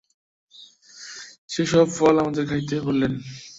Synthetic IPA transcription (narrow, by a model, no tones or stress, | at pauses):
ʃeʃɔbfɔlamad̪eɾkʰait̪ːekoɾlen